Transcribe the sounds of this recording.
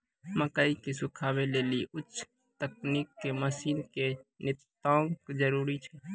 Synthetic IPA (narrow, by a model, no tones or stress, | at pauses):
məkaːikisʊkʰaːweleːliʔʊtːʃʰ | t̪ək̚niːkːeməsiːnkenɪt̪ːaːõkd͡ʒəɾuːɾit͡ʃʰɛ